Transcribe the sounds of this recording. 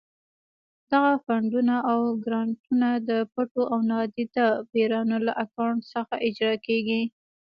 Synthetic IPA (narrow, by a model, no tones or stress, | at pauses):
d̪̥aɣafaɳɖunaʔawɡɾɑɳʈunad̪əpaʈoʔawnɑd̪id̪abeɾɑnolaʔakawɳʈsəxaʔɪd͡ʒɾɑkeɡi